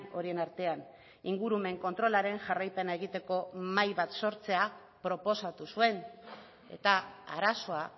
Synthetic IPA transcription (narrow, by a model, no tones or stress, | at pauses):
o̞ɾie̞naɾt̪e̞an | iŋɡuɾume̞ŋko̞nt̪ɾo̞laɾe̞ŋʝarajpe̞nae̞ɣit̪e̞ko̞majβat̪so̞ɾt͡se̞a | pɾo̞po̞sat̪usue̞n | e̞̰t̪aa̰ɾaso̞a